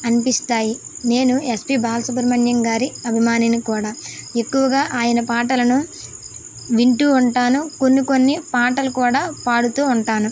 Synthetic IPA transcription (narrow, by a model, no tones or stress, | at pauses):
ɐnipist̪aːjine̞ːnue̞spiːbaːlɐsupɐɾmɐɳjɐŋɡaːɾiɐbʱimaːninikuːɽaːe̞kːuʋɐɡaːʔaːjɐnɐpaːʈɐlɐnu | ʋiɳʈuːɳʈaːnuko̞nːiko̞nːipaːʈɐlukuːɽaːpaːɽut̪uːɳʈaːnu